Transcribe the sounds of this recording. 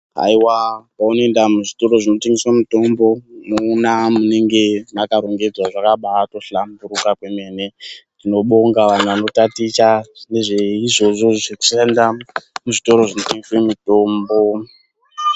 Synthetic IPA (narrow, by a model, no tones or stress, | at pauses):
a̰iwapaunoendamuʐito̞ɾo̞ʐino̞teŋɡiswamuto̞mbo̞muːnamune̞ŋɡe̞nakaɾo̞ŋɡe̞d͡zwaʐakaɓato̞ɬambuɾukakwe̞me̞ne̞tino̞ɓo̞ŋɡaʋan̤uʋano̞tatit͡ʃane̞ʐeiʐo̞ʐo̞ʐeku̥ʃendamuʐito̞ɾo̞ʐinoteŋɡiswe̞mito̞ːmbo̞